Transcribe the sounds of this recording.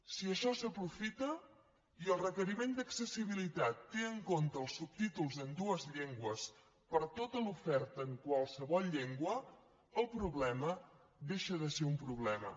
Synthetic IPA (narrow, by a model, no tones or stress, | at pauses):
siəʃɔsəpɾufit̪ə | iəlˠrəkəɾimend̪əksəsiβ̞ilit̪at̪ːeəŋkont̪əːəlˠsːup̚t̪it̪ulˠzənd̪uəzʎeŋɡwəs | pəɾt̪ot̪əlufɛɾt̪əːŋkwəlˠsəβɔlˠʎeŋɡwə | əlˠpɾuβlɛmə | ðeʃəðəseumpɾuβ̞lɛmə̰